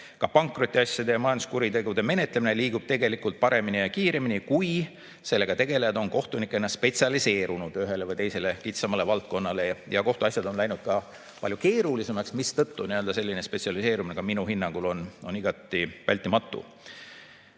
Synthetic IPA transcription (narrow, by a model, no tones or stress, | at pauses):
kɑpɑŋkˑro̞t̪ːˑiɑsʲjɑd̪e̞jɑmɑjɑnd̪u̥skuɾit̪e̞ɡud̪e̞me̞net̪lemine̞liːɡ̥ub̥̚t̪e̞ɡe̞likult̪̚pɑɾe̞minijɑkiːɾe̞minikuj | se̞lːe̞ɡɑt̪e̞ɡe̞lejɑd̪̥o̞nko̞ht̪unikːˑenɑspe̞tsʲɑlise̞ːɾunud̪̥yɦe̞le̞vɤjt̪e̞jse̞le̞kit̪sɑmɑle̞vɑlt̪̚ko̞nːɑle̞jɑko̞ht̪uɑsʲjɑd̪̥o̞nlæjnud̪̥̚kɑ | pɑlʲjuke̞ːɾulise̞mɑksmist̪ɤt̪ːuniøld̪ɑse̞lʲːinespe̞t̪ʲsiɑlise̞ːɾumineɡ̥ɑminuɦinːɑŋɡ̥ulo̞no̞niɡ̥ɑt̪ːˑivæ̰lʲt̪ːˑimɑt̪ːˑṵ